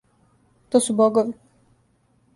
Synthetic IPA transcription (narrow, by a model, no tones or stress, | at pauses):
t̪oːsuboɡoʋi